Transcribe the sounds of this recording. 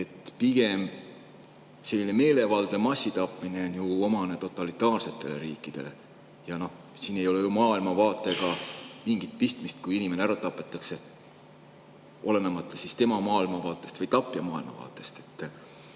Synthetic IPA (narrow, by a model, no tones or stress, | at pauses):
e̞t̪ːˑpiɡ̥e̞m | se̞lːine̞me̞ːle̞vɑld̪̥e̞mɑsːit̪ɑpːˑmine̞onjuo̞mɑne̞t̪o̞t̪ːˑɑlit̪ːˑɑːrse̞t̪ːˑe̞̰le̞̰ɾiːkˑːid̪̥e̞̰le̞ | jɑno̞h | siːne̞jo̞lejumɑːilmɑvɑːt̪ˑːe̞ɡ̥ɑmiŋɡ̥it̪̚pist̪mist̪̚kujinʲime̞neæɾɑt̪ɑpːˑe̞t̪ːˑɑkse̞ | ʔo̞̰le̞nemɑt̪ːˑlesist̪e̞mɑmɑːilmɑvɑːt̪ːˑe̞st̪vɤjt̪ɑpˑːjɑmɑːilmɑ̰vɑ̰ːt̪ːˑe̞st̪e̞t̪ː